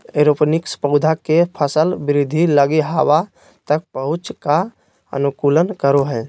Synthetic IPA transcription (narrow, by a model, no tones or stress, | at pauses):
eɾopnɪkspəʊd̪ʱakepʰəsəlbɪɾɪd̪ʱiləɡiɦawa | t̪ək̚pəɦʊt͡ʃka | ə̰nukuːlənkəɾoɦɛː